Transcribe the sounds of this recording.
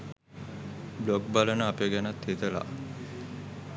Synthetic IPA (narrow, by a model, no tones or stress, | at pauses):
blok̚balənəapeɡænat̪het̪əla̰